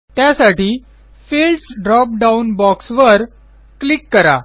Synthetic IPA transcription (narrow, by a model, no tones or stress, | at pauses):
t̪jasaʈiː | filɖsɖɾɔp̚ɖaunbɔksʋəɾ | klikːəɾa̰